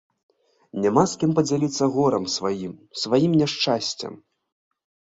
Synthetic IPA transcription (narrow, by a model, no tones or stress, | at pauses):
nʲɛmaskʲimpɐd͡zʲalʲit̪sːɐɣɔɾɐmsvajimsvajimnʲɛʂt͡ʂasʲt͡sʲɐ̰m